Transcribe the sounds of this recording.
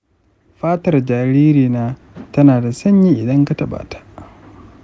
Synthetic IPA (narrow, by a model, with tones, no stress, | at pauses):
ɸaː˦tɐ˨rd͡ʒaː˨ɾiː˦ɾiː˨naː˦ | tɐ˦naː˨da˨sɐ˦ɲji˦ʔɪ˨dɐ˦ŋka˨tɐ˨ɓa̰ː˨tʰḁ˨ʔ